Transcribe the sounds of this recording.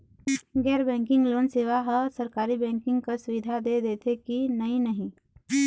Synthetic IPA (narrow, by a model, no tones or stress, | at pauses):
ɡɛːɾbɛ̃ːŋkɪ̃ŋɡloːnseːʋaɦəsəɾkaːɾibɛ̃ːŋkɪ̃ŋɡkasʊʋɪd̪ʱad̪ed̪eːt̪ʰekinɐĩnəɦĩ